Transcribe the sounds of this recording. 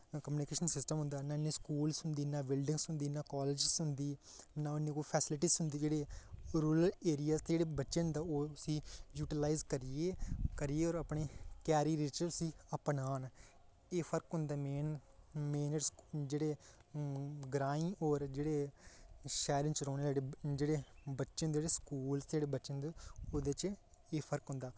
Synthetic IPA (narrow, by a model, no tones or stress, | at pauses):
kəmjuːnɪkeːʃənsɪsʈəmɦʊ̃nd̪aːnaːnːeːskuːlsʊnd̪iːnaːbɪlɖɪ̃ŋɡsɦʊ̃nd̪iːnaːkɔːlɪd͡ʒsɦʊ̃nd̪iː | naːʊnːeːkoːipʰɛːsɪlɪʈiːzɦʊnd̪iːd͡ʒeːɽeːɾuːɾəleːɾijaːst̪ed͡ʒeːɽeːbətːʃeːɦʊnd̪aːoːsiːjuːʈɪlaːizkəɾɪeːkəɾijeːɔːɾəpɳeːkɛːɾiːɾit͡ʃsiːəpnaːn | eːpʰəɾkɦʊ̃nd̪aːmeːnmeːnəsd͡ʒeːɽeː | ɡɾaːɪ̃ːʔɔːɾd͡ʒeːɽeː | ʃɛːɾɪ̃nt͡ʃɾoːneːd͡ʒːɽed͡ʒeːɽeːbətːʃẽnd̪ed͡ʒeːɽeːskuːlst̪d͡ʒeːɽeːbətːʃənd̪oːd̪et͡ʃeːpʰəɾkɦʊ̃nd̪aː